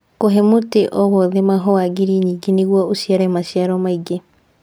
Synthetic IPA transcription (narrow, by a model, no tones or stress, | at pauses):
koɦemoteʔɔβoðemaɦoaɡiɾiɲiɡiniɣwɔosiaɾɛmaʃiaɾɔmaiɡe